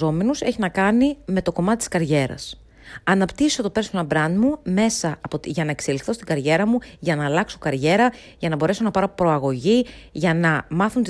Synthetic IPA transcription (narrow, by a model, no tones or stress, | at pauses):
o̞me̞nuse̞çinɐkɐnime̞t̪o̞ko̞mɐt̪et̪i̥skɐɾʝe̞ɾɐ̰s | ɐnɐpt̪iso̞t̪o̞pe̞ɾslɐbɾɐnd̪mume̞sɐpot̪ʝɐnɐekse̞likθo̞st̪iɡɐɾʝe̞ɾɐmuʝɐnɐːlɐkso̞kɐɾʝe̞ɾɐ | ʝɐnɐbo̞ɾe̞so̞nɐpɐɾo̞pɾo̞ɐɣo̞ʝiʝɐnɐmɐθunt̪i